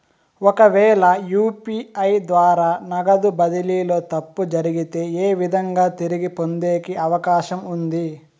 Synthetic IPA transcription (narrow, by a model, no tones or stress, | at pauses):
ɔkɐʋɛːlɐjuːpiɐjd̪ʋaːɾaːnɐɡɐd̪ubɐd̪iliːlo̞ːt̪ɐpːud͡ʒɐɾiɡit̪e̞ːeːʋid̪ʱɐŋɡaːt̪iɾiɡipo̞nd̪e̞ːkiɐʋɐkaːʃɐmund̪i